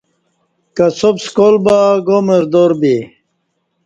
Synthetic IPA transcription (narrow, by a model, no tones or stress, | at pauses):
kɐsobskolbaɡomeɾd̪oɾbi